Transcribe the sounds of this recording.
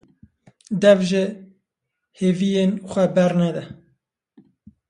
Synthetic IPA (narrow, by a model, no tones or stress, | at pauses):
d̪ɛvʒɪ | heːvijenxʷɛbɛrnɛd̪ɛ